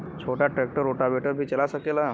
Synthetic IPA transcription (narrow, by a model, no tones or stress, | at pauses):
t͡ɕʰoʈaʈɾɛk̚ʈəɾoʈabʱeʈəɾbʱiːt͡ɕəlasəkela